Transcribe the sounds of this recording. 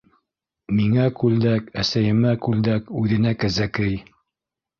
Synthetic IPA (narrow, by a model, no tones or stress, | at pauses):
miŋækʉld̪ækæsæjɘ̆mækʉld̪ækʉðɘ̆nækæzækɘj